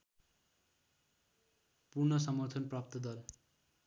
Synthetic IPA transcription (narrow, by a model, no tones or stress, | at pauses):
puɾnʌsʌmʌrt̪ʰʌnprʌp̚t̪ʌd̪ʌl